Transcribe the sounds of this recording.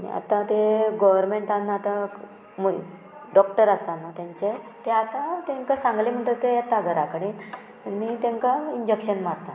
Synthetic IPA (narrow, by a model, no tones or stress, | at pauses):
nḭa̰t̪ãt̪eɡɔʋəɾmeɳʈanːaːt̪a | mu | ɖɔkʈəɾasanat̪jaɲt͡ɕet̪eat̪ãt̪ẽŋkasãŋɡlem̤əɳt̪ət̪eat̪aɡʱəɾakəɽ̃i | nit̪ẽŋkaiɲd͡ʑekɕənmaɾt̪a